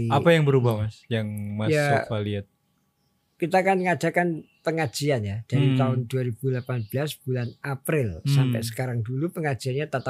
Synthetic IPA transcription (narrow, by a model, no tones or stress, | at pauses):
apajaŋbəɾubahmasjaŋmajsafaliat̪̚ | kit̪aːkanŋad͡ʒ̥akanpəŋḁd͡ʒ̥ianjad̥aɾit̪aʊnduaɾib̥ulapanbəlasb̥ulanʔapɾɪlsampɛ̰sə̥kaɾaŋdulupəŋḁd͡ʒ̥ianɲat̪at̪a